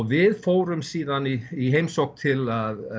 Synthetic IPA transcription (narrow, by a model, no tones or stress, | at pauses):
vɪðfoːwɾʏmsiːðaniiɦejmsowhk̚t̪ʰɪlað